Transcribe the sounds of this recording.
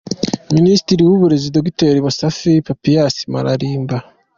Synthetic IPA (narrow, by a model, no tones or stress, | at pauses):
minisi̥tiɾiwuβuɾe̞zidabɡiteɾimusafipapijasi̥maɾaɾiːmba